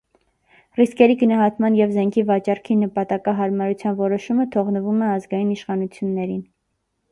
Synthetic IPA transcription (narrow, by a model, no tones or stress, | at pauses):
riskɛɾiɡənɑɦɑt̪mɑnjɛvzɛŋkʰivɑt͡ʃɑrkʰinəpɑt̪ɑkɑɦɑɾmɑɾut͡sʰjɑnvɔɾɔʃumət̪ʰɔʁnəvumɛɑzɡɑjiniʃχɑnut͡sʰjunːɛɾin